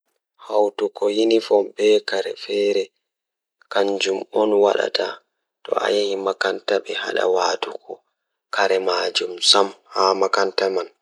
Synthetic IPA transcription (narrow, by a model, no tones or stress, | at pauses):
hawtukɔjinifɔbɛkaɾɛfɛːɾɛ | kaɲd͡ʒumɔnwa̰ɗa̰tʰa | tɔ̰ʔa̰jahimakantaɓɛha̰ɗa̰waːtukɔ | kaɾɛmaːd͡ʒumsamhamakantaman